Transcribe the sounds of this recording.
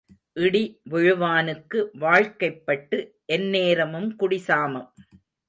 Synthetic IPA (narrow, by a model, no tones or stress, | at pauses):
ʔɪɽiʋʊɻʊʋaːnɯkːɯʋaːɻkɐɪpːɐʈːɯ | ʔɛnːeːɾɐmɯmkʊɽɪsaːmɐm